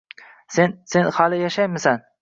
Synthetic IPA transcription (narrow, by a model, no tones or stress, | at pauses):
sense̞nhalɪjaʃajmɪsan